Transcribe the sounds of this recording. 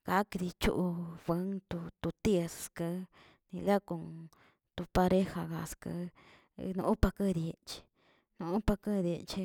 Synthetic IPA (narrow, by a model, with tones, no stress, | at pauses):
ka˨˦ki˧ði˧t͡ʃṵ˦ʔu˧βə˧˦ŋt̪u˧t̪u˧t̪i˦˧sskɨ˧ | nĩ˧la˦ku˧ŋ | t̪u˧pa˧ɾe˦ha˧ɣa˧skə̰˧ | nũ˧ʔu˦pa˧kɨ˦ði˧e˧t͡ʃi̥˧ | nũ˧ũ˦pa˧kɨ˦˧ði˧e˧t͡ʃi˧